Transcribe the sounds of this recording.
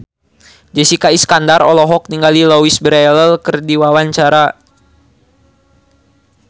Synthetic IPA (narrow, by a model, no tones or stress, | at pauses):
d͡ʒɛsikaiskandarɔlɔɦɔk̚niŋɡalilowisbəɾɛləlkərdiwawaɲt͡ʃaɾa